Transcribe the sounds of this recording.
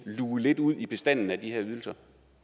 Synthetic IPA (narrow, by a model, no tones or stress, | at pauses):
luːle̝d̥uð̰ˠib̥e̝sd̥æn̰n̩æd̥iheɐyð̞ˠl̩sɐ